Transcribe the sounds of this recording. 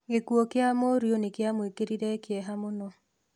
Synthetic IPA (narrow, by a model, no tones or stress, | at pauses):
ɡekwokɪamoɾjonekjamoekeɾiɾɛkɪɛɦamonɔ